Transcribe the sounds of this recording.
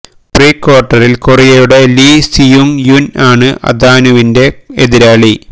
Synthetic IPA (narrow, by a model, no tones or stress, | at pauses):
priːkːoːrʈːɐrilkorijɐjuɽeliːsijuŋjunaːɳɨʔɐ̰d̪ʱaːnuʋinde̞eðiɾaːɭi